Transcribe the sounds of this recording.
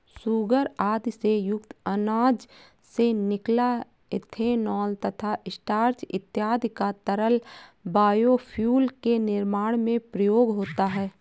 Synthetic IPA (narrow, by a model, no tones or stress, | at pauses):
suːɡəɾaːd̪sejʊkt̪ənaːd͡ʒ | senɪkla | ɪt̪ʰenɔːlt̪ət̪ʰaʔɪsʈaːɾt͡ʃɪ̰t̪jaːd̪ʱkat̪əɾəlbaːjopʰjuːlkenɪɾmaːɽ̃mẽpɾəjoːɡɦoːt̪aɦɛː